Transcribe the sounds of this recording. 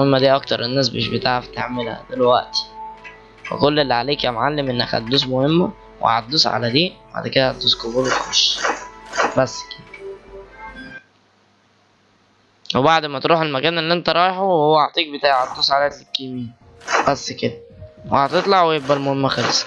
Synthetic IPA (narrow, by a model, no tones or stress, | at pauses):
hemːæd̪iːʔɑkt̪ɑɾˤenːæːsbeeʃbet̪aʕæft̪eʕmelhæ̰d̪elwæʔt̪i̥ | wḛkolːelːiʕaleːkæmʕalːemʔenːæ̰khæ̰t̪̚d̪uːsmohemːæ | wʔḛʕæ̰t̪d̪uːsʕa̰læd̪iːba̰ʕd̪ked̪æhæt̪̚d̪uːskobuːlwet̪xoʃː | bæsːked̪æ | webaʕd̪mæt̪ɾˤuːħelmækæːnelːiʔent̪æɾˤɑːjeħowhowːæʔɑʕt̪ˤiːk̚bet̪aːʕʕæt̪̚d̪uːsʕalæt̪lekːimiːn | b̥æsːked̪æwehæt̪et̪ˤlɑʕwejebbælmohemːæxæls